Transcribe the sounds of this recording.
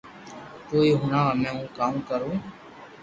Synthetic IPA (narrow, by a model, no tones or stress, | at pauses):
koːiːɦʊnaːʋaːmẽːũːkaːmkəɾõː